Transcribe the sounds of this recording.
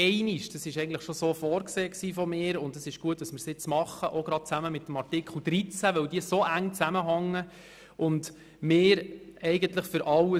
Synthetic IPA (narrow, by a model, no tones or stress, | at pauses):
ɛɪniʃd̥ɑsɪʃɛɪɡən̩tləχʃosoːfɔːɾkseːksiːfɔmɪːɾʊndɑsɪʃɡ̥uətdɑsmɪəɾsɪt͡smɑχːəʔoɡ̥ɾɑd̥̚t͡sæməmɪtːəmɑɾtikχl̩ˠd̪̥ɾit͡sæʋœwdiəsoʔæŋt͡sæməɦɑŋːə | ʔʊnd | mɪːɾɛɪɡənt̪ləχfʏɾʔɑwə